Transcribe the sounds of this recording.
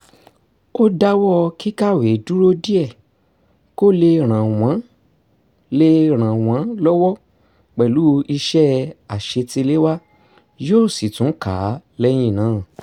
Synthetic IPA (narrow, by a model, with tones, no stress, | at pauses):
o˦da˦wɔ˦ki˦ka˦˨we˨˦du˦ɾo˦di˦ɛ˦˨ | ko˦˨le˧ɾ̃ã˨w̃ã˨˦ | le˧ɾ̃ã˨w̃ã˨˦lɔ˦wɔ˦ | k͡pɛ˨lu˨˦i˧ʃɛ˦a˨ʃe˧ti˧le˦wa˦ | joː˦˨si˨tũ˨˦ka˨˦lɛ˦j̃ĩ˦˨nãː˨˦˨